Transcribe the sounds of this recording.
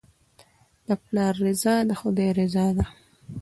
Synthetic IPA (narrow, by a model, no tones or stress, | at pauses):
d̪əplɑɾːɪzɑd̪əxʊd̪ejɾɪzɑd̪a